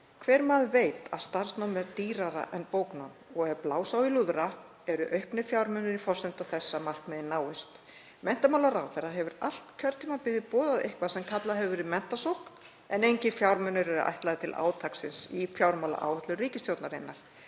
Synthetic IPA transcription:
kʰvɛːɾmaðveːjt̪aðst̪ar̥snawmɛɾt̪iːɾaɾa̰ʔɛnpoːwknanɔɣɛɾplaːwsawiluðɾa | ɛɾʏʔœɥhpnɪ̥fjawɾmʏnʏɾifɔsɪnt̪aθɛsːamar̥kmɛðɪnaːwɪst̪ | mɛn̥t̪amawlaɾaːwθɛrːaɦɛvʏɾal̥t̪cʰœɾt̪ʰːiːmapɪðɪpɔːðaðehkvaðsɛmkʰat̪laɦɛvʏɾimɛn̥t̪asowkn | ɛnejɲcɪɾfjawɾmœnːʏɾɛɾʏ̰ʔa̰jht̪laːðɪt̪ʰɪlʔa̰ːwt̪ʰaksɪnsifjawɾmawla̰ʔa̰ːwaht̪lʏriːcɪst̪jowt̪naɾɪnːaɾ̥

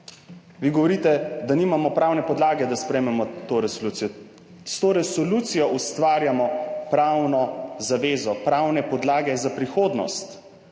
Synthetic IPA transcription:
ʋiɡɔʋɔɾiːt̪ɛd̪aniːmamɔpɾawnɛpɔd̪laːɡɛd̪aspɾɛmɛmɔt̪oːɾɛsɔlut̪sijɔ | st̪oːɾɛsɔlut̪sijɔʔust̪ʋaːɾjamɔpɾawnɔzaʋeːzɔpɾaːwnɛpɔd̪laːɡɛzapɾixoːd̪nɔ̰st̪

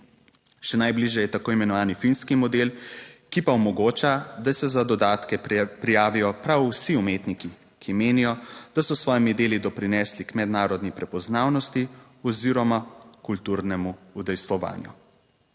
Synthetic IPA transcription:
ʃɛnajbliʒjɛjɛt̪akoːimɛnɔʋaːnifinskimɔd̪elkipaɔmɔɡoːt͡ʃad̪asɛzad̪ɔd̪aːt̪kɛpɾijaːʋijɔpɾawsiumeːt̪niki | kʰimeːnijɔd̪̥asɔsʋɔːjimid̪eːlid̪ɔpɾinɛslikmɛd̪naːɾɔd̪nipɾɛpɔznaːwnɔst̪i | ɔziɾɔmakult̪uɾnɛmuud̪ɛjst̪ʋɔʋa̰ːnjṵ

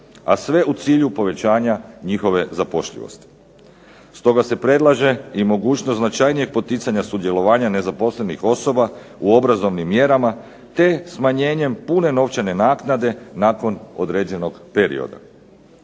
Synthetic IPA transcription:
a̰sʋe̞ut̪siːʎupo̞ʋe̞t͡ɕaːɲaɲixo̞ʋe̞zapo̞ʃʎḭʋo̰st̪i̥ | st̪o̞ɡase̞pɾe̞d̪lˠaʒe̞imo̞ɡuːt͡ʃnosnat͡ʃajnije̞ɡ̚po̞t̪it̪saɲasud̪je̞lo̞ʋaːɲane̞zapo̞sle̞nixo̞so̞ba | uo̞bɾazo̞ʋnimːje̞ɾama | t̪e̞smaɲe̞ːɲe̞mpune̞no̞ʋt͡ʃane̞naːknad̪e̞naːko̞no̞d̪ɾe̞ːd͡ʑe̞noɡpe̞ɾḭo̰d̪a̰

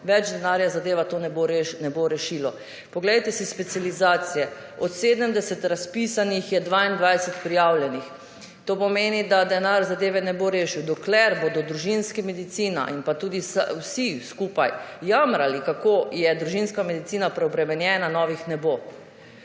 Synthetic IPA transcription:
ʋɛd͡ʒd̪ɛnaːɾjazad̪eːʋat̪onɛboɾnɛboɾɛʃiːlɔ | pɔɡlɛjt̪ɛsispɛt̪sializaːt̪sijɛ | ɔt̪seːd̪əmd̪ɛsɛt̪ɾaspisanixjɛd̪ʋaːind̪ʋajsɛt̪pɾijawljɛnix | t̪oːpɔmeːnid̪ad̪ɛnaɾzad̪eːʋɛnɛboɾeːʃiwd̪ɔklɛɾbod̪ɔd̪ɾuʒinskimɛd̪it̪siːna̰ʔinpat̪uːd̪isa̰wsiskuːpajːamɾalikakoːjɛd̪ɾuʒinskamɛd̪it̪siːnapɾɛɔbɾɛmɛnjɛːnanɔʋixnɛbo

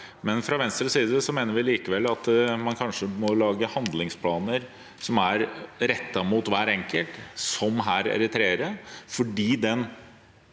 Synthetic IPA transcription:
mɛnfɾɑʋɛnst̪ɾəsiːd̪əsɔmeːnəɾʋɪliːkəʋɛlːɑt̪mɑnkʰɑnʂəmɔlɑːɡəhɑnd̪lɪŋspʰlɑːnəɾ | sɔmæɾɾɛt̪ːɑmuːt̪ʋæːɾɛŋkəlt̪sɔmɦæːɾɛ̰ɾɪt̪ʰɾeːəɾəfɔɖiːd̪ɛn

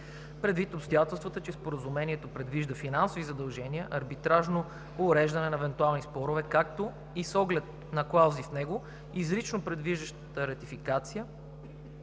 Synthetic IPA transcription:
pɾɛd̪vit̪opst̪ojat̪ɛlˠst̪vət̪ət͡ʃɛspoɾəzumɛniɛt̪opɾɛd̪viʒd̪əfinansovizɐd̪ɐlˠʒɛniəʔɐɾbit̪ɾaʒno | ʊɾɛʒd̪ɐnɛnɐɛvɛnt̪ualˠnispɔɾʊvɛkak̚t̪o | isɔɡlɛt̪̚ | nɐklˠawzifnɛɡo | izɾit͡ʃnopɾɛd̪viʒd̪əʃt̪ət̪əɾɐt̪ifikat̪sijə

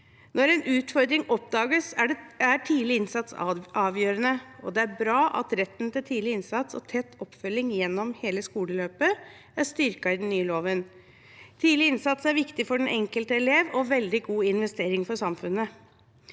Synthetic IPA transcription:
nɔɾɛnʔʉːt̪fɔɾd̪ɾɪŋʔɔpd̪ɑːɡəsɖæʈʰiːd̪lɪɪnsɑt̪sɑːʋjøːɾənəɔ̰d̪ɛæɾbɾɑːʔɑ̰t̪ɾɛt̪ːnt̪ɪlt̪ʰiːd̪lɪɪnsɑt̪sɔ̰t̪ʰɛt̪ʰːɔpːfœlːɪŋjɛnːɔmheːləskuːləløːpə | æʂt̪ʏɾkɑɪd̪ɛnnːyːəloːʋən | t̪ʰiːd̪lɪɪnsɑt̪sæɾʋɪkt̪ɪfɔɖɛnʔɛŋkəlt̪əɛleːʋɔʋɛld̪ɪɡuːɪnʋɛst̪eːɾɪŋfɔɾsɑmfʉnːə

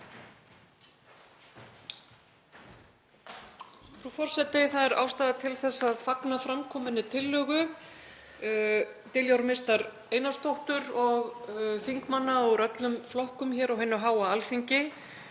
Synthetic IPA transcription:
fɾufɔr̥sɛt̪ɪθaðɛɾa̰ːwst̪aːðat̪ʰɪlθɛsːaðfaknafɾamkʰɔːmɪnːɪt̪ʰɪlːœːɣʏ | t̪ɪljawɾmest̪aɾ | ejnḁst̪owht̪ʏɾɔɣθiŋkmanːaɔɣɾœt̪lʏmflɔhkʏmçɛːɾɔɣɦɛnːʏɦaːwaalfiɲcɪ

